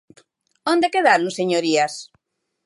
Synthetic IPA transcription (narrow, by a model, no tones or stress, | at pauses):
õnd̪ekeðaɾnuseɲoɾias